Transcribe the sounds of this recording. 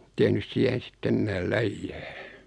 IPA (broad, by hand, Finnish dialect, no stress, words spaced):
tehnys siæhen̞ sitː enːæːl læijːæː